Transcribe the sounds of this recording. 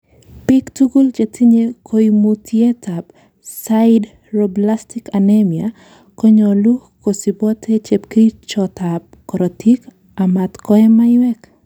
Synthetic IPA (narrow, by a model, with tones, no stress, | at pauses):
pɪ˦ktuɡu˦lt͡ʃe˨tʰi˦ɲe˦kʰo˨jimutʰje˦tʰap | saɪd | roblastikanemja | kɔ˦ɲo˨lu˦ko˨si˨bɔ˦tʰe˦t͡ʃe˨pki˦t͡ʃɔtap̚kɔ˨ɾɔti˦k | a˨ma˨t̪kɔ˦ɛmajwɛ˦k